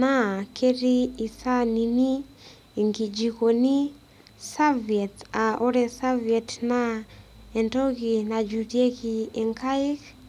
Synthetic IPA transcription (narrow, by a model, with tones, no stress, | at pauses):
na˦kʰe˦ɾi˦i˨sa˦ni˨ni˦ | i˨ŋɡi˨d͡ʒiko˨ni˦ | sa˦vi˨ɛ˨ta˨ʔo˦ɾɛ˨sa˦viɛ˨tna | ɛ˨ndɔ˦ki˨na˨d͡ʒutie˦ki˨ɛ˨ŋka˦i˦k